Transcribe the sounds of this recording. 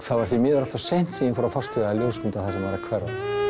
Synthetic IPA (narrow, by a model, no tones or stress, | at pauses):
θavaɾ̥θimɪːðɾalt̪asejn̥t̪siɪnfɔɾafast̪ʰɪɣaaljoːwsmɪnt̪aθasɛmvaːɾakʰvɛɾa̰